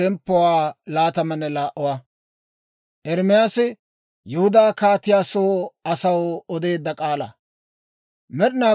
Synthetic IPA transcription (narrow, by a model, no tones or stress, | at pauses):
ɛmpːɔwaːlaːt̪ɐmɐnɛlaːʔɔwɐ | ʔɛɾmɪjasɪ | jʊhʊd̪aːkaːt̪ɪjaːsoːɐsɐwɔd̪e̞ːd̪ːɐkʼaːlɐ̰ | mɛɗɪnaː